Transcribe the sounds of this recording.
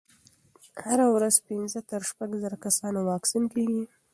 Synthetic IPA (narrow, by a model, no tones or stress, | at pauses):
haɾawɾazpinzət̪əɾʃpaɡzaɾakasɑnowɑksinkeɡi